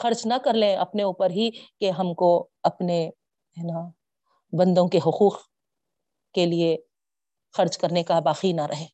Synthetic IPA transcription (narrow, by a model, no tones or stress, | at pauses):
xɐɾt͡ʃnɐkɐɾlẽɐ̰pneuːpəɾɦikeɦɐmko | ɐpne | ɛna | bɐ̃nd̪õkeɦʊquːq | kelie | xɐɾd͡ʒkɐɾnekabaːqinɐɾʔɐɦeː